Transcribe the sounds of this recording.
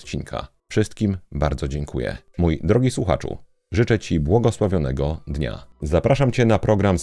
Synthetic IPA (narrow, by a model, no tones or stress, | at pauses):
t͡ɕinkʰa̰ | fʂɘst̪kʲimbaɾd̪zɔd͡ʑɛŋkʰujɛ̰ | mujd̪ɾɔɡʲiswuxa̰t͡ʂṵ | ʐɘt͡ʂɛt͡ɕibwɔɡɔswavʲjɔnɛɡɔd̪ɲa̰zapɾaʂamt͡ɕɛnapɾɔɡɾam